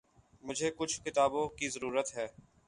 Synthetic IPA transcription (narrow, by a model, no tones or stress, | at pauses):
mʊd͡ʒʱekʊt͡ʃʰkɪt̪aːbõkizɐɾuːɾət̪ɦɛː